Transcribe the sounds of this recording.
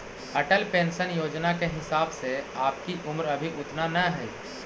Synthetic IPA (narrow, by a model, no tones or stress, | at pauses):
ɐʈəlpẽːnsənjoːd͡ʒnakeɦɪsaːbseaːpkiʔʊmɾɐbʱiʔʊt̪nanɐɦɛi